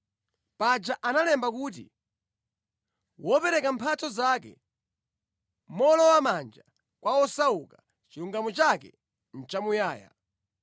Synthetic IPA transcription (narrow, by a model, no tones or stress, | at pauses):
pad͡ʒaʔanalɛmbak̬uːt̬ḭ | wʔɔpɛɾɛkampʰat͡sɔzakɛ̰ | mɔlɔwamand͡ʒa | kwaɔsauka | t͡ʃiɾuŋɡamɔt͡ʃakɛ̰ | n̩t͡ʃamujaːja̰